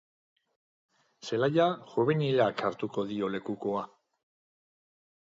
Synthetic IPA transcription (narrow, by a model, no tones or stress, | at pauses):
se̞lajaʝuβenilakaɾt̪uko̞ðio̞le̞kuko̞a